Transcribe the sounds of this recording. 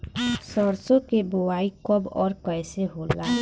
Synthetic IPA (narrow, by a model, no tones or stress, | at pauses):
səɾsõkebʊwaːikəbɔːɾkɛɪseɦoːlaː